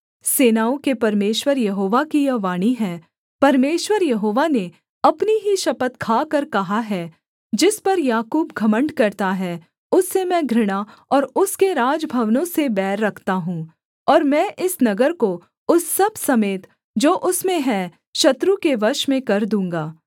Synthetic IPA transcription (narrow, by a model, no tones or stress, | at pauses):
seːnaːõkepɐɾmeːʃwəɾjɐɦoːʋakijɐʋaːɽ̃iɦɛ̃ː | pɐɾmeːʃwəɾjɐɦoːʋane | ɐpniɦiʃɐpət̪kʰaːkɐɾkɐɦaɦɛ | d͡ʒɪspɐɾjaːkuːbɡʱɐmə̃ɳɖkɐɾt̪aɦɛ | ʊsːemɛ̃ːɡʱɾɪɽ̃a | ɔːɾʊskeɾaːd͡ʒbʱɐʋnõsebɛːɾːɐkʰt̪aɦũː | ɔːɾmɛ̃ːʔɪsnɐɡəɾko | ʊsːɐbsɐmeːt̪ | d͡ʒoːʔʊsmẽɦɛ̃ | ʃɐt̪ɾukeʋɐɾʃmẽkɐɾd̪ũːŋ̆ɡaː